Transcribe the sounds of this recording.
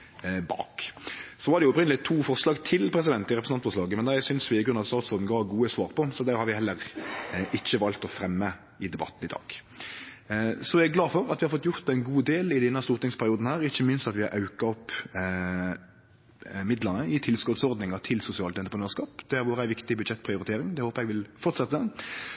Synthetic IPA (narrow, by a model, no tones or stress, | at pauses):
bɑ̰ːksɔʋɑɾd̪ɛjʊɔpɾɪnəlɪt̪ʰuːfɔʁʂlɑːɡt̪ʰɪlpʰɾɛs̬ɪd̪ɛnt̪ɪɾɛpɾəs̩ɑnfɔʂlɑːɡəmɛnæɪsʏnsʋɪɪɡɾʉnɑt̪st̪ɑːt̪sɔɾd̪n̩ɡɑːɡuːəsʋɑːʁpʰɔsɔd̪æɾhɑɾʋɪhɛlːəɾʔɪçːəʋɑlt̪ɔfɾɛmːə | ɪd̪ɛbɑ̰t̪ːn̩ɪd̪ɑ̰ːɡ̥ | sɔæɡɡlɑːfɔɾɑt̪ʋɪhɑɾfɔt̪ːjʊɾt̪æɪnɡuːd̪eːlɪd̪ɛnːɑst̪uːɾt̪ɪŋspʰæɾɪuːd̪n̩hæːɾɪçːəmɪnst̪ɑt̪ʋɪhɑɾʔɑʉkɑɔpː | mɪd̪lənəɪt̪ʰɪlskɔt̪sɔɾd̪nɪŋɑt̪ʰɪlsʊsɪɑːlt̪ɛnt̪əpʁnøːɾskɑːpd̪̥æɾʋʊɾæɪʋɪkt̪ɪbʉd̪ʃɛt̪ːpʰɾɪʊɾɪt̪ʰeːɾɪŋd̪ɛhoːpəɾɛɡʋɪlfɔɾt̪sɛt̪ːəə